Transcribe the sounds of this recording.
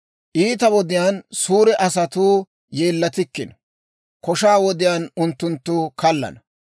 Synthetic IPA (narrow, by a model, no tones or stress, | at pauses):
ʔiːt̪ɐwɔd̪ɪjaːnsuːɾɛʔɐsɐt̪uː | jeːlːɐt̪ɪkːɪnɐ | kɔʃaːwɔd̪ɪjaːnʊnt̪ːʊnt̪ːʊːkɐlːɐ̰nɐ